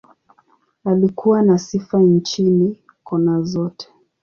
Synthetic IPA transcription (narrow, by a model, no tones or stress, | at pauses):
alikuwanasifant͡ʃini | kɔnazɔtʰɛ̥